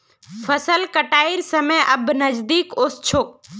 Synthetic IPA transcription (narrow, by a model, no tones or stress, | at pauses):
fʰəsəlkəʈaːiɾsəmẽʔəbnəd͡ʒd̪iːkoːst͡ʃʰok̚